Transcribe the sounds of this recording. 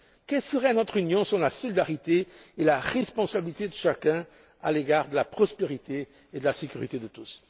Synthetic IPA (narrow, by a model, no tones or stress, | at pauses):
kɛlsəʁɛnɔt̪χynjɔ̃sɔlasɔlid̪aʁit̪eelaʁɛspɔ̃sabilit̪ed̪əʃakɛ̃ | a̰leɡaʁd̪əlapχɔspeʁit̪e | ed̪əlasekʲyʁit̪ed̪ət̪us